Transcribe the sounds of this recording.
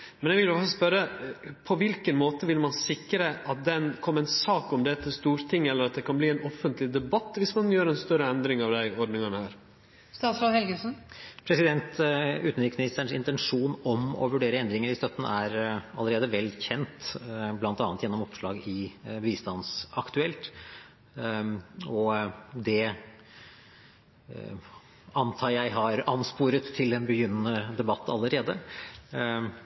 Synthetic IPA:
mɛnjɛɡʋɪlɔsɔspœɾəpʰɔʋɪlkənmoːt̪əʋɪlmɑnsɪkːɾəʔɑt̪̚d̪ɛnkʰɔmːəɛɪnsɑːkɔmd̪ɛt̪ʰːɪlst̪uːɾt̪ʰɪŋːɛlːəɾɑt̪̚d̪ɛkʰɑnbliːɛnɔfːənt̪lɪd̪ɛbɑt̪ːʋɪsmɑnjøːɾɛnst̪œɾəɛnd̪ɾɪŋɑʋd̪æɪɔɖnɪŋənəhæːɾ | st̪ɑːslɑːd̪hɛlɡəsn̩pʰɾɛsɪd̪ɛnt̪ʉːt̪nʋɪksmɪnɪst̪əɳʂɪnt̪ɛnʂuːnɔmɔ̰ʋʉɖeːɾəɛnd̪ɾɪŋəɾɪst̪œt̪ːənæɾɑlːəɾeːd̪əʋɛlçɛnt̪blɑnt̪ɑːnət̪jɛnːɔmɔpʂɭɑːɡɪʋiːst̪ɑnsɑkt̪ʉɛlt̪ | ɔd̪ɛ | ɑnt̪ʰɑːjæɪɦɑɾɑnspuːɾət̪ʰːɪlɛnbəjʏnːənəd̪ɛbɑt̪ːɑ̰lːəɾeːd̪ə

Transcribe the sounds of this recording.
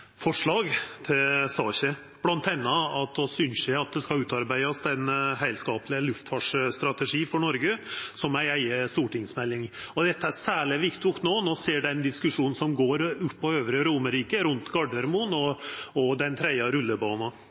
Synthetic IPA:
fɔʂɭɑːɡt̪ʰɪlsɑːɕə | b̥lɑnt̪ʰɛnːɑɑt̪̚osʏnsjæɑt̪̚d̪ɛskɑʉːt̪ɑɾbæɪɑsd̪ɛnɦæɪlskɑːpəlɪəlʉft̪fɑʂst̪ɾɑt̪əʂiːfɔɳɔɾɡəsɔmæɪæɪəst̪uːʈɪŋsmɛlːɪŋɔd̪ɛt̪ːəæɾsæːɭɪʋɪkt̪ʊkt̪noːnoseːɖɛnd̪ɪskʉʂuːnn̩sɔmɡoːɾʉpːɔøːʋɾəɾʊməɾiːkəɾʉnt̪ɡɑɖəɾmʊnɔɔd̪ɛnt̪ʰɾɛd̪ɑɾʉlːəbɑːnɑ

